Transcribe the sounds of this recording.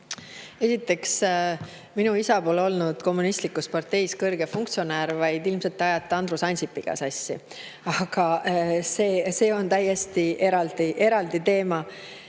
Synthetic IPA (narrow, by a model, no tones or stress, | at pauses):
e̞sit̪ːˑe̞ks | minuisɑbo̞lo̞lnud̪̥ko̞mːunist̪likːˑuspɑrt̪e̞jskɤrɡ̥e̞fuŋk̚t̪sio̞neːɾvɑjd̪ilmselt̪ːˑɑjɑt̪ːˑɑnd̪̥ɾusɑnsipːˑiɡ̥ɑ̰sɑsʲːḭ | ɑɡ̥ɑse̞ːse̞ːo̞nt̪æje̞st̪iʔe̞ɾɑld̪iʔe̞ɾɑld̪it̪e̞ːmɑ